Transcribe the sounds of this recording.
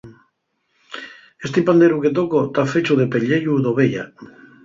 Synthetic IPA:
est̪ipand̪eɾuket̪̬okot̪afet͡ʃuðepeʎeʎuðoβeʎa̰

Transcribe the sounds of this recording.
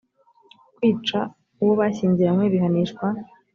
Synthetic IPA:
kwiːt͡ʃa | uwoβaɕiːɲziamŋeβiɦaniʃkwa

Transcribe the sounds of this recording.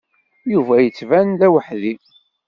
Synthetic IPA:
juvæjət͡sːvænd̪æwəħði

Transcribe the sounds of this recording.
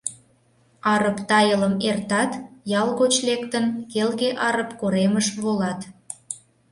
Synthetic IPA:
ɑɾəpt̪ɑjələmert̪ɑt̪jɑlˠɣot͡ɕlekt̪ənkelɣeʔɑɾəpkoɾeməʃβolɑt̪

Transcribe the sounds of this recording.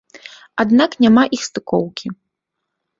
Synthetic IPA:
ad̪naknʲamaʔixst̪ɨkɔwkʲi

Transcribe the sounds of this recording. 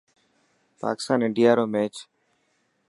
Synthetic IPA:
pa̰ːkɪ̥st̪aːnɪɳɖijaːɾoːmeːt͡ʃ

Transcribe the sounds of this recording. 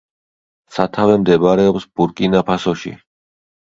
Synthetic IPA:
sat̪ʰavɛmd̪ɛbaɾɛɔpsb̥uɾkʼinapʰasɔʃḭ

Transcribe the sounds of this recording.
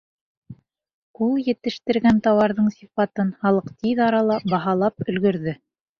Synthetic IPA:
ulˠjɘ̆t̪ɘ̆ʃt̪ɘ̆ɾɡænt̪ɑwɑɾðɤɴsʲifɑt̪ɤnhɑlˠɤqt̪iðɑɾɑlˠɑbɑɦɑlˠɑpɵ̆lɡɵ̆ɾðɵ

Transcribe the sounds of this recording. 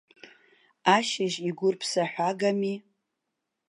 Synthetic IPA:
aʃɪʒiɡʷʊrpʰsaħʷᶣaɡami

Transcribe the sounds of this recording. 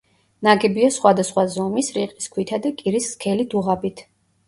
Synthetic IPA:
naɡɛbiasχwad̪asχwazɔmisɾiqʼiskʰwit̪ʰad̪akʼiɾisːkʰɛlid̪uʁabit̪ʰ

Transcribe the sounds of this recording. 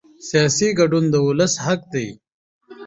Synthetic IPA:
sijɑsiɡaɖund̪əʊləshak̚d̪ej

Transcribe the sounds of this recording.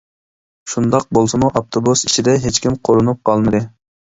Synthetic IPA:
ʃund̪ɑq̚bolˠsɨmuʔɑpt̪ʰobusiʃid̪ɛɦet͡ʃkʲimqʰoɾunup̚qʰɑlˠmɨd̪ɨ

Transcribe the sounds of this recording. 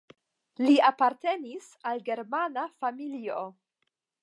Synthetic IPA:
liapaɾte̞nis | alɡe̞ɾmanafamilio̞

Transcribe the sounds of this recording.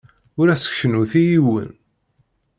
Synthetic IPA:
ʊɾæsə̥çənuθijiwə̰n

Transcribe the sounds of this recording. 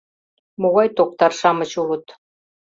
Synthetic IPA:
moɣɑjt̪ok̚t̪ɑrʃɑmɤ̆t͡ɕulə̆t̪

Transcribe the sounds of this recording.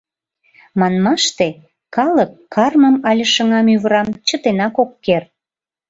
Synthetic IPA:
mɑnmɑʃt̪e | kɑləkːɑrməmɑlʲə̆ʃə̆ŋɑmyβəɾɑmt͡ɕət̪enɑkokːer

